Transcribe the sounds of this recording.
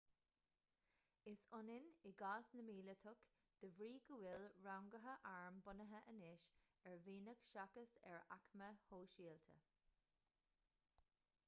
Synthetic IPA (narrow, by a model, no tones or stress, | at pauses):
ɪsʊnɪnɪɡaːsnəmiːlət̪ʰʊk | d̪̥əvɹiːɡəwɪlɹawŋɡəɦəʔaɹmbʊnəɦəʔənɪʃ | ɛɹviːnəɡ̥ʃakəsɛ̰ɹa̰kməhoːʃiːlt̪ʰə̰